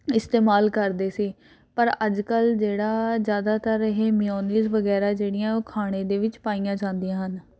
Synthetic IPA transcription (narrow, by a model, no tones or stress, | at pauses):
ɪst̪eːmaːlkəɾd̪eːsiː | pəɾəd͡ʒkəld͡ʒeːɽaːzjaːd̪aːt̪əɾɦeːmijɔːniːzʋəɡɛːɾaːd͡ʒeːɽɪjãːoːkʰaːɽ̃eːd̪eːʋɪt͡ʃpaːijãːd͡ʒãːnd̪ijãːɦən